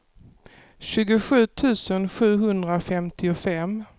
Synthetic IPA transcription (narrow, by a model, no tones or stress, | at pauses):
ɕʉ̟ːɡʊɧʉ̟ːt̪ʰʉ̟ːsənɧʉ̟ːɦɵnd̪ɾafɛmt̪ʰɪʊfɛm